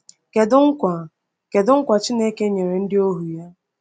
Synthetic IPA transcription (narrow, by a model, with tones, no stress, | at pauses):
ke˨dʊ˦ŋ̩˦kʷa˨ | ke˨dʊ˦ŋ̩˦kʷa˨t͡ʃi˦ne˦ke˦ɲe˨ɾe˨n̩˦dɪ˦o˦ɦu˨ja˦